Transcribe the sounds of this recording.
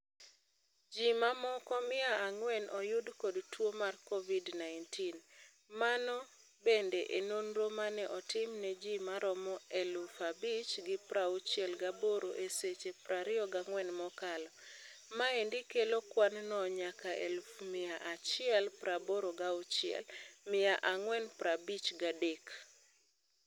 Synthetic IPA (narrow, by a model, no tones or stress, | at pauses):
d͡ʒimamɔkɔmɪaaŋwɛnʔɔjʊdkɔdtwomarkɔvidnaɪntin | manɔ | bendeʔenonɾomanɛʔɔtɪmnɛd͡ʒimaɾɔmɔelufabit͡ʃɡɪpɾaut͡ʃjɛlɡaboɾoʔeset͡ʃepɾʔaɾɪɔɡaŋwɛnmɔkalɔmaendikelokwannɔɲakaʔḛlufmɪaʔat͡ʃɪɛlpɾaboɾoɡaut͡ʃɪɛ̰lmɪaʔaŋwɛnpɾabit͡ʃɡadek